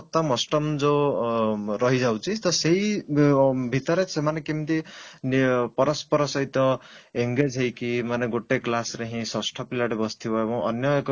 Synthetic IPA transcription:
t̪ːamʌsʈʌmd͡zo | ɾʌɦid͡zawt͡sʰist̪ʌsej | bʱit̪ʌɾesemanekimit̪inpʌɾʌspʌɾʌsʌjt̪ʌ | eŋɡed͡zɦejkimaneɡoʈːeklasɾeɦĩsʌsʈʰʌpilaʈebʌst̪ʰibʌebʌ̃ʔʌnjʌk

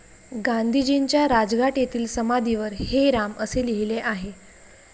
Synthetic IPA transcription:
ɡand̪ʱid͡ʑint͡ɕjaɾad͡zɡaʈjet̪ʰiːlsəmad̪ʱiʋəɾheɾaməseliɦileʔaɦe

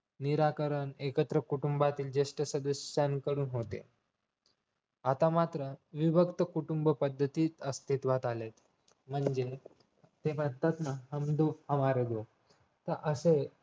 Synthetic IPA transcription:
niɾakəɾəɳekət̪ɾəkuʈumbat̪iːld͡ʑeʂʈəsəd̪əsankəɾuːnɦot̪ḛ | at̪amat̪ɾəʋiʋəkt̪əkuʈumbəpəd̪ʱːət̪iːt̪əst̪ʰit̪ʋat̪alet̪ | m̤əɳd͡ʑe | t̪ebəd̪ət̪nəɦəmd̪ofhəmaɾed̪o | t̪əɾʔəse

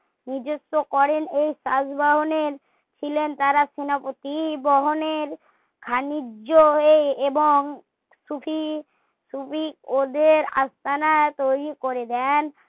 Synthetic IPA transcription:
niɾd͡ʑosːokɔɾenejsasbaɦoneɾ | t͡ɕʰilent̪aɾasinapot̪ibɔɦoneɾ | kʰanid͡ʑːoeeboŋ | sufʰi | subikod̪eɾa̰st̪ʰanat̪ojɾikoɾed̪ɛn

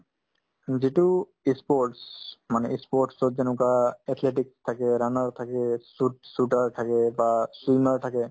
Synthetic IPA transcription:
zitu | ispɔɹʈsmanɛispɔɹʈsɔtzɛnʊkaɛtʰleʈikstʰakɛɾanaɹtʰakɛsut̚sutaɹt̪ʰakɛbaswimaɹtʰakɛ

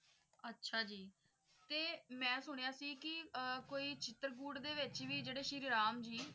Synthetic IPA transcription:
ətːʃʰaːd͡ʒiː | t̪eːmɛ̃ːsʊɳ̃ejaːsiːkɪkoːiːt͡ʃɪt̪əɾɡuːɽd̪eːʋɪt͡ʃʋiːd͡ʒeːɽeːʃɪɾɾaːmd͡ʒiː

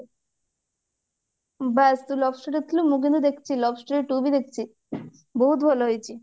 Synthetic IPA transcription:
bɛst̪ulɔbsʈɾeʈet̪ʰilomuk̬ĩnd̪od̪ekʰt͡ɕʰilɔbsʈeɾeʈubid̪ekʰt͡ɕʰi | boɦut̪bʱɔloɦojt͡ɕʰi

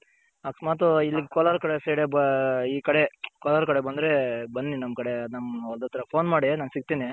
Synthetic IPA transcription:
ɐksmaːt̪uilːiɡkɔlɐɾkɐɽeseːɽebiːkɐɽekɔlɐɾkɐɽebɐnd̪ɾebɐnːinɐmːkɐɽenamɔld̪ɐt̪ʰːɐɾɐpʰoːnmaːɽinaːnsiɡ̚t̪ini

